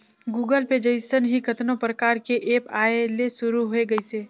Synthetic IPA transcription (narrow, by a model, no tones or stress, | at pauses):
ɡuːɡəlped͡ʒəɪsənɦikɐt̪nõpɾəkaːɾkeʔeːpaːelesʊɾuɦoeɡɐiseː